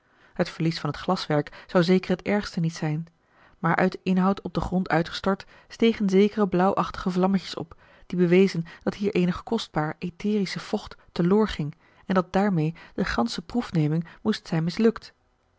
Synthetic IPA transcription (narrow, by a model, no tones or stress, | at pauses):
hətfəɹlisfɑnɦətχlɑsʋɛɹksɑwzejkərɦətɛɹχstənitsɛjn | maːɹʔœ̰ɥdəʔɪnɦɑwtɔb̚dəχrɔntœ̰ɥtχə̥stɔɹt | stejχənzejkərəblʌwʔɑχtəχəvlɑməcə̥sɔ̰p | d̥ibəʋejzənd̥ɑtɦiːɹʔejnəχə̥kɔsd̚baːɹʔetɪːrisəv̥ɔχtː | ədʊːɹχɪŋ | ɛndɑt̚daːɹmejd̥əχɑnsəprufnejmɪŋmustsɛjnmɪslɵkt